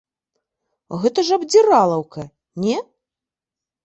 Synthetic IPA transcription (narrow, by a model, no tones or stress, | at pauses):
ɣɛt̪ɐʐɐbd͡zʲiɾalˠɐwkɐ | nʲɛ